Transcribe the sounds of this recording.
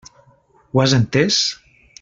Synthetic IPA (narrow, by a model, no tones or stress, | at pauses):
wazent̪es